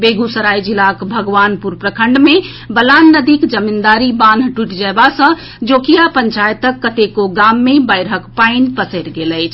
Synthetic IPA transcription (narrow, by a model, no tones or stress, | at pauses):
beɡusəɾajd͡ʒilakbʱəɡʋanpuɾpɾəkʰəɳɖme | bəlanːəd̪ikd͡ʒəmind̪aɾiband̪ʱʈuʈd͡ʒəebasə̃ | d͡ʒokijapənt͡ʃajət̪əkːət̪ekoɡamːebəjɾɦəkpaɪnpəseɾɡeləɪt͡ʃʰ